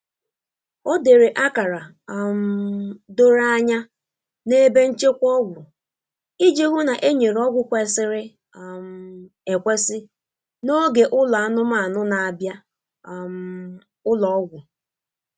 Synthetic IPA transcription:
o˦de˨ɾe˨ʔa˦ka˨ɾa˨ | m˦do˦ɾa˦a˦ɲa˦ | ne˦be˦n̩˦t͡ʃe˦kʷɔ˦ɡʷʊ˨ | i˦d͡ʒe˦ɡʷu˦na˨ʔe˦ɲe˨ɾɔ˦ɡʷʊ˦kʷe˨˦sɪ˨ɾɪ˦ | m̩˦˨ | e˨kʷe˦sɪ˦ | no˦ɡe˨ʔʊ˦la˨a˦nʊ˦ma˨nʊ˦na˨a˨bja˦ | m | ʊ˦lɔ˨ɔ˦ɡʷʊ˨

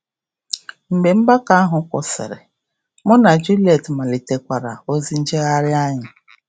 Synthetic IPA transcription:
m̩˨be˨m̩˦ba˦ka˦a˦ɦʊ˨˦kʷʊ̰˨sɪ̰˨ɾɪ̰˨ | mʊ˦na˨d͡ʒu˦li˦e˨tma˨li˨te˨kʷa˨ɾa̰˨o˦zi˦n̩˦d͡ʒe˦ɣa˦ɾɪ˦a˦ɲɪ˨

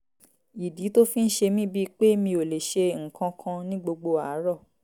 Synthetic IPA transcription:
i˨di˨˦to˦fĩ˦n̩˦ʃe˧mĩ˦bi˦k͡pe˦mĩ˧o˨le˨ʃe˧ŋ̩˨kã˧kʰã˧nĩ˦ɡ͡bo˧ɡ͡bo˧a˨˦ɾɔ˦˨

